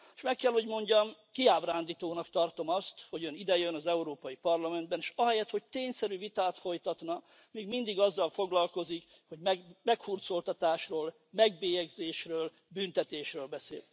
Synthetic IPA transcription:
eʃmɛkːɛlho̞ɟmo̞ɲɟɒmkiaːbraːnd̪iːt̪oːnɒkt̪ɒrt̪o̞mɒst̪ho̞ɟønid̪ɛjønɒzɛuɾoːpɒjipɒrlɒmɛnd̪̚bɛneːʃɒɦɛjɛt̪ho̞c̚t̪eːɲsɛɾyvit̪aːt̪fo̞jt̪ɒt̪nɒ | miːɡmind̪iɡɒzːɒlfo̞ɡlɒlko̞zik | ho̞ɟmɛmɛkfurt̪so̞lt̪ɒt̪aːʃroːl | mɛɡ̚beːjɛɡzeːʃrøːl | bynt̪ɛt̪eːʃrøːlbɛsḛːl

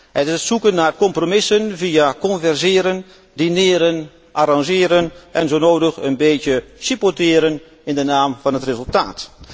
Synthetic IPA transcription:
hɛtɪsətsukənːarkɔmpromɪsənviakɔnvɛrzɪəɾən | dinɪːɾən | ʔaɾɑŋʒɪːɾənʔɛnzoːnoːdəxənbeːtjəsipotɪːɾən | ɪndənaːmfɑnɦətrezəlˠta̰ːt

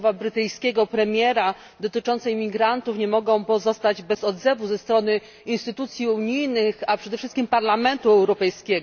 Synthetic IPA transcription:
vabɾɘt̪ɘjskʲɛɡɔpɾɛmʲjɛɾa | d̪ɔt̪ɘt͡ʂɔnt̪sɛjmʲiɡɾant̪ufɲɛmɔɡɔ̃w̃pɔzɔst̪ad͡ʑbɛzɔd̪zɛvuzɛst̪ɾɔnɘ | inst̪ɘt̪ut̪sʲjiuɲijnɘxapʂɛd̪ɛfʂɘst̪kʲimpaɾlamɛnt̪uɛwɾɔpɛjskʲɛɡ

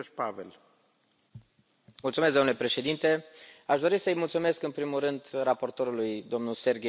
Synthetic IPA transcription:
pavḛl | mult̪sumes̬d̪onule̞pɾe̞ʃe̞d̪int̪e̞aʃd̪o̞ɾisəjmult̪sume̞skɨnpɾimurɨnd̪rapo̞rt̪o̞ɾulujd̪o̞mnuse̞rɡʲe

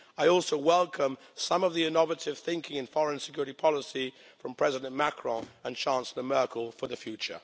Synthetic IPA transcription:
aɪɔˑlˠsoʊwɛlˠkʰə̃m | sʌ̃mʌvðiɪnɑvəɾɪv̥θɪ̃ŋkɪ̃ŋɨ̃nfɔɹə̃nsɪ̥kʰjʊɹɪɾipʰɑlˠəsi | fɹə̃mpʰɹ̥ɛzɪdə̃nmakʰɹ̥ɔ̃ə̃nt͡ʃʰɑ̃nslˠəmɜˑ˞kʰəlˠfəðəfjʉt͡ʃə̰

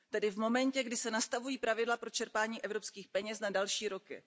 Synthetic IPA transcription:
t̪ɛdɪvmo̞mɛncɛɡdɪsɛnast̪avujiːpɾavɪdlapɾo̞t͡ʃɛɾpaːɲiːʔɛvɾo̞pskiːxpɛɲɛsnadalʃiːɾo̞kɪ̰

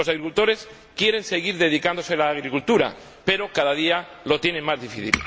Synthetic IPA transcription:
o̞saɣɾikult̪o̞ɾe̞s | kje̞ɾe̞nse̞ɣ̞iɾðe̞ðikand̪o̞selaːɣɾikult̪uɾa̰ | pe̞ɾo̞kaðað̞ia | lo̞t̪je̞nẽŋmazðifiθḭl

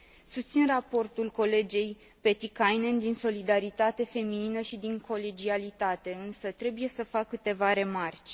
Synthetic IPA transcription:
sust̪sinrapo̞rt̪ulko̞le̞d͡ʒe̞j | pe̞t̪ikajnend̪inso̞lid̪aɾit̪at̪e̞fe̞mininəʃid̪iŋkʰo̞led͡ʒialit̪at̪e̞ɨnsət̪ɾe̞buje̞səfakːɨt̪e̞vaɾe̞mart͡ʃʲ

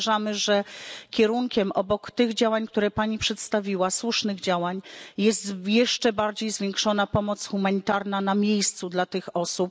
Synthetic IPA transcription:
ʐamɘʐɛkʲɛɾuŋkʲɛmʔɔbɔkt̪ɘɣd͡ʑawaɲk̚t̪uɾɛpaɲipʂɛt̪st̪avʲiwaswuʂnɘɣd͡ʑawaɲjɛst̪jɛʂt͡ʂɛbaɾd͡ʑejzvʲjeŋkʂɔnapɔmɔt̪sxumaɲit̪aɾnanamʲjejst̪sud̪lat̪ɘxɔsup̚

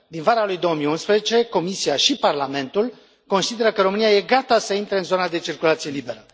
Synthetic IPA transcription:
d̪invaɾalujd̪owəmijunspɾezet͡ʃe̞ko̞misiaʃiparlame̞nt̪ul | ko̞nsid̪e̞ɾəkəɾo̞mɨnijaje̞ɡat̪asəint̪ɾeɨnzo̞nad̪e̞t͡ʃirkulat̪sije̞libe̞ɾə

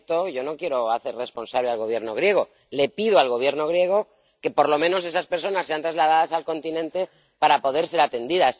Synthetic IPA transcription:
t̪o̞ʝo̞no̞kje̞ɾo̞aθe̞ɾre̞spo̞nsaβlealɣo̞β̞je̞ɾno̞ɣɾje̞ɣ̞o | le̞piðoalɣo̞β̞je̞ɾno̞ɣɾje̞ɣ̞o̞ | ke̞po̞ɾlo̞mẽ̞no̞s̬e̞saspe̞ɾso̞nase̞ant̪ɾazlað̞aðasalko̞nt̪inẽ̞nt̪e̞ | paɾapo̞ð̞e̞ɾse̞ɾat̪e̞nd̪iðas

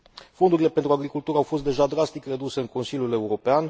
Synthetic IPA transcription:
fo̞nd̪uɾile̞pent̪ɾuaɡɾikult̪uɾəawfo̞s̬t̪d̪e̞ʒad̪ɾast̪ikre̞d̪use̞ɨŋko̞nsilʲjule̞uɾo̞pean

